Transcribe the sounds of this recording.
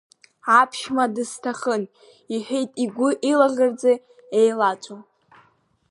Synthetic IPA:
apʰʃmadɨstʰaχən | iħᶣejtʼiɡʷʊʔilaʁʲərd͡ze | ejlat͡ʃʷʼo

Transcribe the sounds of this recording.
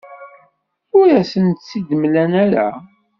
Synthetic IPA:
ʊɾæsənt̪sid̪mlænæɾa̰

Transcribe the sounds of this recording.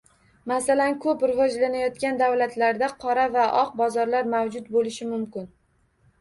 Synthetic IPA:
masalankʰɵpɾɪvɒd͡ʒlanajɒt̪kʲand̪avlat̪ʰlaɾd̪aqʰɒɾavaʔɒq̚bɒzɒɾlaɾmawd͡ʒʊt̪bolɪʃɪmʊmkʲɪn

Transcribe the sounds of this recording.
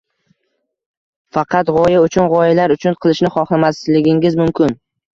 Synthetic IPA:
fɑqʰɑt̪ʁɒjaʊt͡ʃʰʊnʁɒjɪlaɾʊt͡ʃʰʊnqʰɨlˠɪʃnɪχɒχlˠamaslɪɡʲɪŋɪzmʊmkʲʰɪn

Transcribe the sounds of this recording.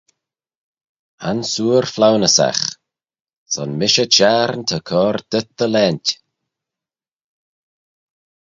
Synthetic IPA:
a̰nsuːɹflawnəsa̰x | sɔnmɪʃət͡ʃaːɾnt̪ʰəkʰɔːɾd̪̥ət̪̚dəlɛːntʲ

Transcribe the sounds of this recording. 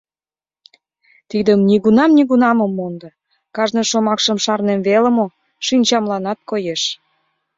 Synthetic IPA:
t̪id̪əmniɣunɑmniɣunɑməmːond̪ə | kɑʒneʃomɑkʃəmʃɑrnemveləmo | ʃinʲt͡ɕɑmlɑnɑt̪̚kojeʃ

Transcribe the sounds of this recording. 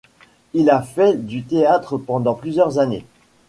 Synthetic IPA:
ilafɛd̪yt̪eat̪χəpɑ̃d̪ɑ̃plyzjœʁzanḛ

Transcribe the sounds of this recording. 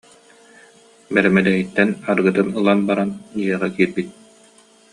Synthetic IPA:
bɛɾɛmɛd̪ɛɦit̪ːɛnaɾɡɯt̪ɯnɯlˠanbaɾaniɛʁakiːɾbit̪̚

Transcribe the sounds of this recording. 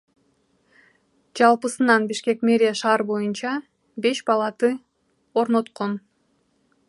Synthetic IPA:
d͡ʒɑlˠpɯsɯnɑnbiʃke̞kme̞ɾʲɪjaʃɑːɾbo̞junt͡ʃɑ | be̞ʃbɑlˠɑt̪ɯ | o̞ɾno̞t̪qo̞n

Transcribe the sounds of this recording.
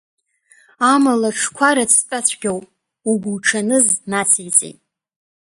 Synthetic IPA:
amalaʈ͡ʂʰkʷʰaɾat͡sʰt͡sʼat͡ɕʷʰɡʲawpʼ | uɡʷulʈ͡ʂʰanɨznat͡sʰijt͡sʼḭtʼ

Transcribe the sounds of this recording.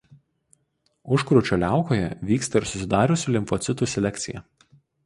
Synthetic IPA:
ʊʃkɾʊːt͡ʃʲoːlʲæˑʊkoːjɛ̰ʋʲiːkst̪ɐɪɾsʊsʲɪd̪ɑːɾʲʊsʲuːˑlʲɪmfɔt̪sʲɪt̪uːˑsʲɛlʲɛkʲt̪sʲɪjɛ̰

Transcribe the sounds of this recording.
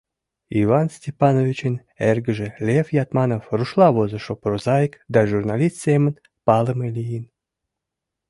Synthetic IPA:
ivɑnsʲtʲepɑnovʲit͡ɕən | erɡəʒelʲefjɑt̪mɑnofruʃlˠɑβozə̆ʃopɾozɑjkd̪ɑʒurnɑlʲist̪semən | pɑləmelʲijin

